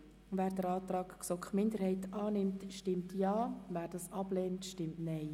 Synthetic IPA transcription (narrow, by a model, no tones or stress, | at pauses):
væːɾdəɾɑːt̪ɾɑːkksɔkχmɪnd̪əɾhɛɪtɑːnɪmtʃtɪmtjɑːvæːɾd̥ɑsɑb̥lɛːntʃtɪmtnɛɪ